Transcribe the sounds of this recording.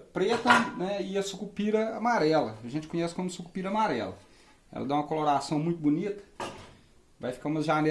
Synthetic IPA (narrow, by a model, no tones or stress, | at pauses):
pɾet̪ɐ̃nɛɪɐsukupiɾɐamaɾɛlɐɐʒẽnt͡ʃɪkõɲɛsɪ̥kõmʊsuku̥piɾɐɐmaɾɛlɐ̰ | ɛ̰lɐ̰d̪ãũmɐkoloɾasɐ̃w̃mũj̃t̪ʊbunit̪ɐ̥ | vajfi̥kaũmɐʒanɛ